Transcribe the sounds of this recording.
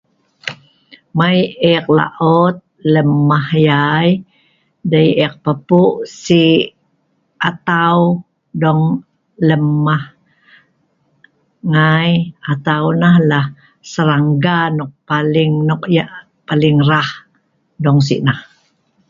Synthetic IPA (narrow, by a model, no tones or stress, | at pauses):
majɛk̚la̰ʔɔt̪̚ləmːahjaj | dajɛk̚pəpuʔsi | at̪aw | dɔŋ | ləmːah | ŋajat̪awnahlah | səɾaŋɡanɔk̚paliŋnɔkja | paliŋrah | dɔŋs̬ḭʔnah